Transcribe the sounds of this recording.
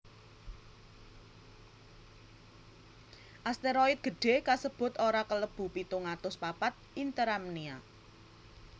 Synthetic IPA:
ʔast̪eɾɔɪt̪̚ɡ̥ə̤ɖ̥e̤kasəb̥ʊ̤t̪oɾakələb̥ṳpit̪uŋat̪ʊspapat̪̚ʔint̪əɾamnia

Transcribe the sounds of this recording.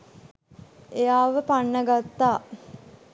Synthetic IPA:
ejaːʋəpanːəɡat̪ːaː

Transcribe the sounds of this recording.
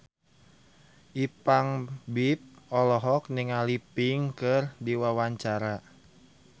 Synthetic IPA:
ʔipaŋbip̚ɔlɔɦɔk̚niŋalipiŋkɨrdiwawaɲt͡ʃaɾa

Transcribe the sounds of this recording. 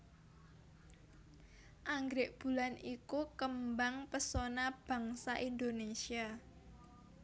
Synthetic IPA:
ʔaŋɡɾɪʔb̥ṳlanikukəmbaŋpəsonab̥ä̤ŋsaʔind̪onesia

